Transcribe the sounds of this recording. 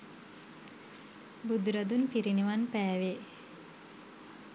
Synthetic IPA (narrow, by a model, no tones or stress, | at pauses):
bud̪uɾad̪unpiɾiniʋanpæːʋe